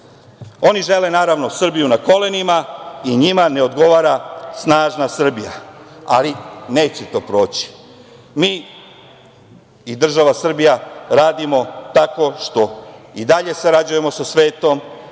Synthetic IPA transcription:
o̞niʒe̞le̞naːɾaʋno̞sr̩bijunako̞le̞nimaiɲimane̞o̞d̪ɡo̞ʋaːɾasnaːʒnasr̩bija̰aline̞ːt͡ɕet̪o̞ːpɾo̞ːt͡ɕi̥ | miː | id̪r̩ʒaʋasr̩bijaɾaːd̪imo̞t̪ako̞ʃt̪o̞id̪aʎe̞saɾad͡ʑuje̞mo̞sasʋe̞ːt̪o̞m

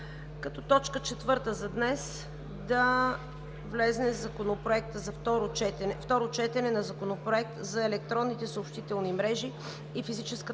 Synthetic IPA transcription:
kɐt̪ɔt̪ɔt͡ʃkət͡ʃɛt̪vɤɾt̪əzɐd̪nɛs | d̪ɐ | vlɛznɛvzɐkonopɾoɛk̚t̪əzɐft̪ɔɾot͡ʃɛt̪ɛnɛft̪ɔɾot͡ʃɛt̪ɛnɛnɐzɐkonopɾoɛk̚t̪zɐɛlɛk̚t̪ɾɔnːit̪ɛsəopʃt̪it̪ɛlˠnimɾɛʒiː | fizit͡ʃɛskə

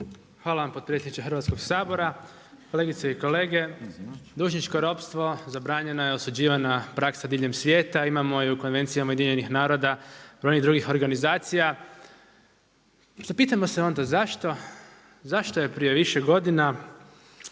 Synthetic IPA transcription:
xʋaːlaʋampopɾiesʲeit͡ʃexɾ̩ʋat̪sko̞ɡsaːbo̞ɾa | ko̞le̞ːɡit̪seiko̞le̞ːɡe̞d̪uːʒɲit͡ʃko̞ɾo̞pst̪ʋo̞zabɾaːɲe̞nojeo̞sud͡ʑiːʋanapɾaksad̪iːʎe̞msʋʲje̞ːt̪aimamo̞jeuko̞nʋe̞nt̪sijamajed̪iɲe̞nixnaːɾo̞d̪ab̥ɾojnid̪ɾuːɡixo̞ɾɡanizaːt̪sija | zapiːt̪amo̞se̞o̞nd̪azaʃt̪o̞ | zaʃt̪o̞je̞pɾije̞ʋiʃeɡo̞d̪ina

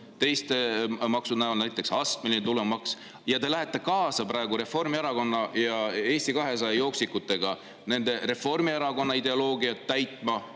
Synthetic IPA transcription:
t̪e̞jst̪emɑksunæonæjt̪ːˑe̞ksɑst̪minit̪ulemɑks | jɑt̪e̞læɦe̞t̪ːˑe̞kɑːsɑpɾɑe̞ɡuɾe̞fo̞rmieɾɑko̞nːɑjɑe̞ːst̪ikɑɦe̞s̬ɑjɑjo̞ːksikːut̪ːˑe̞ɡ̥ɑ | ne̞nd̪̥e̞re̞fo̞rmieɾɑɡo̞nːɑid̪e̞o̞lo̞ːɡiɑt̪ːæjt̪ˑmɑ

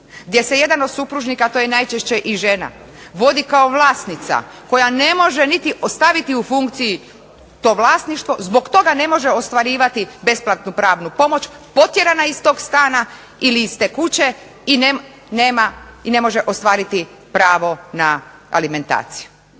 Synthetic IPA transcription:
ɡd̪je̞se̞je̞d̪ano̞d̪supɾuʒnikat̪o̞jenajt͡ʃeʃt͡ɕe̞ʔiʒe̞na̰ | ʋo̞d̪ikaoʋlˠaːst̪nit̪sa̰ko̞jane̞mo̞ʒenit̪iʔost̪aʋit̪iufuŋkt̪siji | t̪o̞ːʋlˠaːsniʃt̪ʋo̞zbo̞ɡt̪o̞ɡane̞mo̞ʒe̞o̞st̪ʋaɾiːʋat̪ibe̞splˠat̪nupɾaːʋnupo̞mo̞t͡ɕpo̞t̪je̞ɾanaist̪o̞ːɡst̪aːna | iliist̪ekut͡ɕe̞ | ine | neːmaine̞mo̞ʒeʔo̞st̪ʋaːɾit̪i | pɾaːʋo̞na | a̰lime̞nt̪a̰ːt̪si̥ju̥

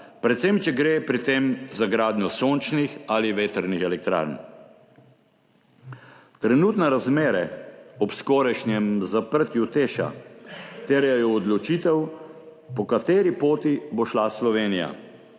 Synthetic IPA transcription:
pɾɛt̪semt͡ʃɛɡɾeːpɾit̪emzaɡɾaːd̪njɔsoːnt͡ʃnixaliʋeːt̪əɾnixɛlɛk̚t̪ɾa̰ɾn | t̪ɾɛnuːt̪nɛɾazmeːɾɛɔpskoːɾɛʃnjɛmzapəɾt̪jut̪eːʃa̰t̪eːɾjɛjɔːd̪lɔt͡ʃit̪ɛw | pɔkat̪eːɾipoːt̪iboʃlaslɔʋeːnija̰

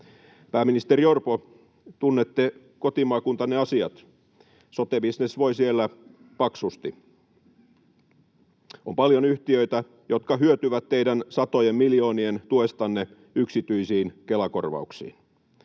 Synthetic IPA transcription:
pæːminist̪eɾiorpo | t̪unːet̪ːe | ko̞t̪imɑːkunt̪ɑnːeɑsiɑt̪ | sot̪ebisnesʋo̞jsielːæ | pɑksust̪i | o̰mpɑljonyht̪iøit̪æ | jo̞t̪kɑɦyøt̪yʋæt̪ːeidænsɑt̪ojemmiljo̞ːnient̪uest̪ɑnːe | yksit̪yisiːnkelɑko̞̰rʋɑ̰uksḭːn

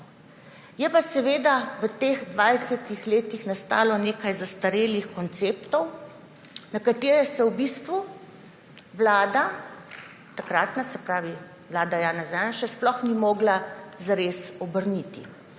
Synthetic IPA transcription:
jɛpasɛʋeːd̪aʋət̪eːɣd̪ʋajsɛt̪ixleːt̪ixnast̪a̰ːlɔneːkajzast̪aɾeːlixkɔnt̪seːpt̪ɔw | nakat̪eːɾɛsɛwbist̪ʋu | ʋlaːd̪a | t̪akɾaːt̪nasɛpɾaːʋi | ʋlaːd̪ajaːnazanʃɛsplɔxnimɔːɡlazaɾeːsɔbəɾnit̪ḭ

